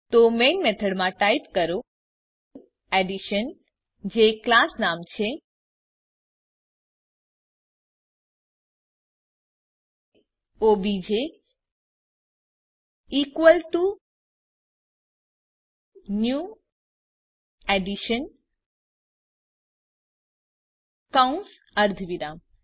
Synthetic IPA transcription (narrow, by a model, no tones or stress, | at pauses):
t̪omenmet̪ʰəɽmãʈajpkəɾo | eɖiʃən | d͡ʒeklasnamt͡ʃʰe | obid͡ʒe | ikʋəlʈu | nju | ɛɖiʃən | kaũns | əɾd̪ʱʋiɾam